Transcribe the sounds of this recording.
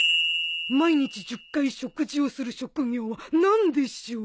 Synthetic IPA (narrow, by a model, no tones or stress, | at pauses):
maiɲ̟it͡ɕiʑɨkːaiɕo̞kɯ̟ʑio̞sɨɾɯ̟ɕo̞kɯ̟ŋʲjo̞ːβanãnd̪e̞ɕio